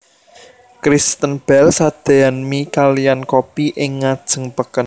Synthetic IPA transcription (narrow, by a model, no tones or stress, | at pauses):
kɾist̪ənb̥ɛlsad̪̥e̤anmikalijankopiʔɪŋːad̥ʒ̥ə̤ŋpəkən